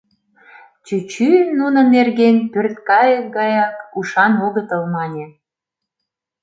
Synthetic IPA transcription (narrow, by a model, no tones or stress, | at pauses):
t͡ɕyt͡ɕynunə̆nerɣenpørt̪kɑjəɡɑjɑkuʃɑnoɣət̪əlmɑnʲe